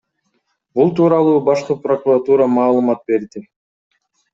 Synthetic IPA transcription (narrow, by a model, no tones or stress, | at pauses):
bulˠt̪uːɾɑlˠuːbɑʃqɯpro̞kurat̪uɾɑmɑːlˠɯmɑt̪̚be̞ɾd̪i